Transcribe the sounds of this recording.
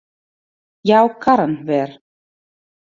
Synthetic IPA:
jawkʰaɾanvɛɾ̥

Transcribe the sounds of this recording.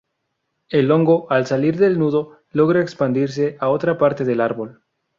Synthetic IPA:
e̞lo̞ŋɡo̞ʔalsaliɾðe̞lnuðo̞ | lo̞ɣɾaekspand̪iɾs̬e̞ʔao̞t̪ɾapaɾt̪e̞ðelaɾβo̞l

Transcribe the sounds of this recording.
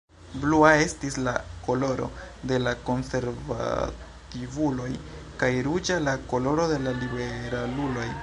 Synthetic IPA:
bluae̞stislako̞lo̞ɾo̞̰de̞lako̞nse̞ɾva̰ | tivulo̞jkajɾud͡ʒalako̞lo̞ɾo̞de̞lalibe̞ɾalulo̞j

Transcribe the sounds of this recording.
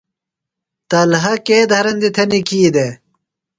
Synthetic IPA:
t̪ɐlɦɐkeːd̪ʱɐɾɐnd̪it̪ʰɐnikiːd̪e

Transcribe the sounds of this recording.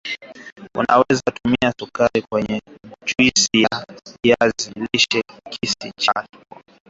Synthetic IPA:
ṵna̰wɛzatumiasukaɾikwɛɲɛt͡ʃuisijaaijaziliʃɛkʰisit͡ʃḁ

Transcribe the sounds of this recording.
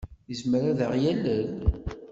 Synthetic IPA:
jəzmɾaðəʁjæləl

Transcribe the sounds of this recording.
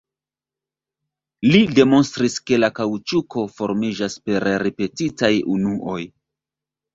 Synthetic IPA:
lide̞mo̞nstɾiske̞lakawt͡ʃukʰo̞fo̞ɾmid͡ʒaspe̞ɾɾipe̞titajunuʔo̞j

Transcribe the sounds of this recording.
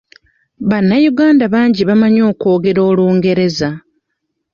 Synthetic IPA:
βanːajuɡaːndaβaːɲɟiβamaɲo̞ːko̞ːɡe̞ɾo̞ːluːŋɡe̞ɾe̞za

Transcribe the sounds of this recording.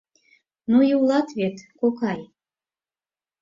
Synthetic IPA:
nujiwlˠɑt̪βet̪kokɑj

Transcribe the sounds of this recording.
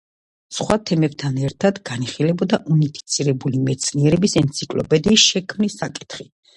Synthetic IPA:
sχwat̪ʰɛmɛbt̪ʰanɛɾt̪ʰad̪ɡaniχilɛbɔd̪aʔunipʰi̥t̪sʰiɾɛbulimɛt̪sʰniɛɾɛbisɛnt̪sʰikʼlɔ̰pʼɛd̪iːsʃɛkʰmnisːakʼi̥t̪ʰχi

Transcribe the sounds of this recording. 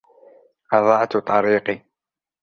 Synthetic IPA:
ʔɑðˤɑʕt̪t̪ˤːɑɾiːqi

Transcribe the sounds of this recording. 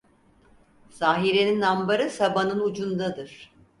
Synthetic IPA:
saːɦiɾeninambaɾɯsabanɯnud͡ʒund̪ad̪ɯɾ̥

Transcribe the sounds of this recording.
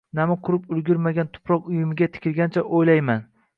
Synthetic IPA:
namɪqʰʊɾɪpʊlɡʲʊɾmaɡʲant̪ʰʊ̥pʰɾɒqʊjɪmɪɡʲat̪ʰɪ̥kʲʰɪlɡʲant͡ʃʰaʔojlajman

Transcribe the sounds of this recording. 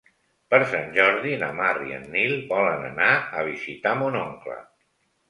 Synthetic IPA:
pəɾsanʲʒɔɾðinəmariə̰nːilˠbɔlənə̰naəβ̞izit̪amunoŋklə̰

